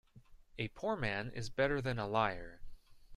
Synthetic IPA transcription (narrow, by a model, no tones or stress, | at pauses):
ɨpʰuɹmæ̃nɪ̰zbɛɾə˞ðɨ̃nəlaɪə˞